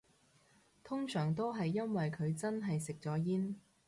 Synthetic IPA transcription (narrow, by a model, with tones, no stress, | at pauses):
t̪ʰʊ˥ŋsœː˨˩ŋt̪o˥wɦɐ˨jːɐ˥nwɐ˨jkʰɵ˨˧ɥt͡sɐ˥nɦɐ˨jsɪ˨k̚t͡sɔː˨˥jiː˥n